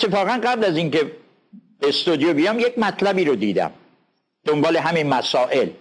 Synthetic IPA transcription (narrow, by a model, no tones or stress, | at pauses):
t̪ʰːefɒːɣænɢæblæziŋke | best̪ud̪ijobijɒmjekmæt̪ʰlæbiːɾod̪ḭːd̪æ̰m | d̪̥ombɒːleɦæminmæsɒːʔe̞l